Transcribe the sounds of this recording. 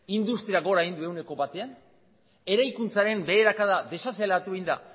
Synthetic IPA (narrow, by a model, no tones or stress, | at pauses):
ind̪ust̪ɾiaɣo̞ɾaind̪ue̞wne̞ko̞βat̪e̞an | e̞ɾajkunt͡saɾe̞mbe̞ːɾakaðaðe̞saselat̪uind̪a̰